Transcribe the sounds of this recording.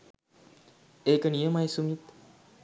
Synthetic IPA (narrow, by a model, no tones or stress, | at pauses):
eːkənijəmajsumit̪